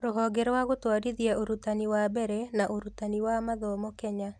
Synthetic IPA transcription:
ɾʊɦɔɡɛɾwaɡot̪waɾiðjaʔoɾut̪aniwabɛɾɛnaʔoɾut̪aniwamaðɔmɔkɛɲa

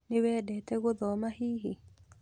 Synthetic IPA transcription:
newɛːdɛtɛɣoðɔmahiːɦi

